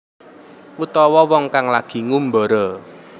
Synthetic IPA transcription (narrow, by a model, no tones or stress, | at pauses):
ʔut̪ɔwɔwɔŋkaŋlaɡ̥i̤ŋumbɔɾɔ